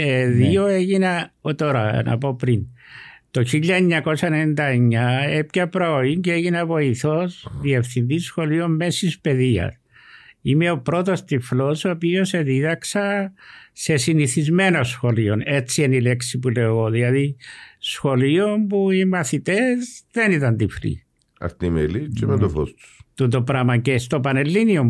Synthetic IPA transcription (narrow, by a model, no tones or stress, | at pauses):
eðio̞e̞ʝinɐot̪o̞ɾɐnɐ̰po̞pɾint̪o̞çiʎːɐeɲːɐko̞sɐenenind̪ɐeɲːɐepcɐpɾooiɲceeʝinɐvo̞iθo̞sðie̞fθind̪isxo̞lio̞mme̞sispe̞ðiɐ̰s | ime̞o̞pɾo̞t̪ost̪iflo̞sopio̞se̞ðiðɐksɐ | se̞siniθizme̞nosxo̞lio̞ne̞t͡sienile̞ksipule̞oɣo̞ðilɐðisxo̞lio̞mpuimɐθit̪ezðe̞nit̪ɐnt̪iflḭ | ɐ̰ft̪imelit͡simet̪oθo̰st̪u̥t̪ut̪opɾɐmɐcest̪opɐnelːiniom